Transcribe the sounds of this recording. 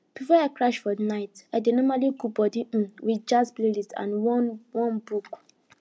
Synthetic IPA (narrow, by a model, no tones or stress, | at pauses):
b̥ifɔaɪkɹaʃfɔnaɪtaɪdenɔmaliɡubɔdĩwid͡ʒasplelistã̰nwɔnwɔ̃nbuk